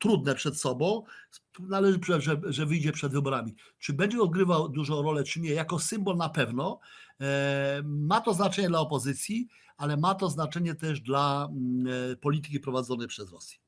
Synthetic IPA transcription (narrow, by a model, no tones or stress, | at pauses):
t̪ɾud̪nɛpʂɛt̪sɔbɔ̃w̃nalɛʐɘpʂɛʐɛʐɛvɘjd͡ʑɛpʂɛd̪vɘbɔɾamʲi | t͡ʂɘbɛɲd͡ʑɛɔd̪̚ɡɾɘvawd̪uʐɔ̃w̃ɾɔlɛt͡ʂɘmɲɛjakɔsɘmbɔlnapɛvnɔ | mat̪ɔznat͡ʂɛɲɛd̪laɔpɔzɘt̪sʲji | alɛmat̪ɔznat͡ʂɛɲɛt̪ɛʐd̪la | pɔlʲit̪̬ɘ̥kʲipɾɔvad̪zɔnɛjpʂɛzɾɔ̰sʲjɛ